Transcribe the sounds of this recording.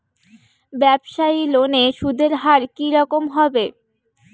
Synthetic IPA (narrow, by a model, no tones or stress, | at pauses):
bɛbʃailoneʃud̪ʱeɾɦaɾkiɾɔkomɦɔbe